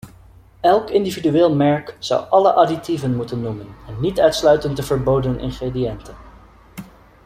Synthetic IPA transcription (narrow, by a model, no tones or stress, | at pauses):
ɛlˠkɪndividyɪːlˠmɛɹkzʌ̰wʔɑlə̰ʔaditivənmutənːumənɛnːitœɥtslœɥtəntəvəɹbowdənʔɪ̰nχrediɛntən